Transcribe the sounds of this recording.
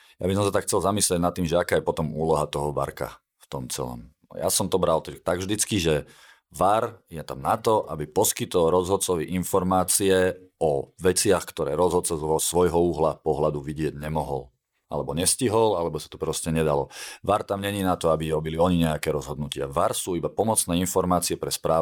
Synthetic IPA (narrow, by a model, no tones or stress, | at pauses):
ja̰bisɔmsat̪akxt͡sɛlzamisliɛɟnat̪ːiːmʒɛakaːjɛpɔt̪ɔmuːlɔɦat̪ɔɦɔʋa̰ɾka̰ | ft̪ɔmt͡sɛ̰lɔ̰m | ja̰sɔmt̪ɔbɾalt̪ɛt̪aɡvʒd̪it͡skiʒɛ | ʋaɾjɛt̪amnat̪ɔʔabipɔskit̪ɔlɾɔzɦɔt̪̚t͡sɔʋiʔinfɔɾmaːt͡siɛɔʋɛt͡sɪaxkt̪ɔɾɛːɾɔzɦɔt̪t͡sɔzɔsʋɔjɦɔuːɦlapɔɦlad̪uʋiɟɪɛɟɲɛmɔɦɔl | a̰lɛbɔɲɛsciɦɔlalɛbɔsḁt̪ɔ̥pɾɔscɛɲɛd̪alɔʋaɾt̪amɲɛɲinat̪ɔabiɔbiliɔɲiɲɛakɛːɾɔzɦɔd̪̚nucɪa̰ʋaɾsuːibapɔmɔt͡snɛːinfɔɾmaːt͡siɛpɾɛspɾaː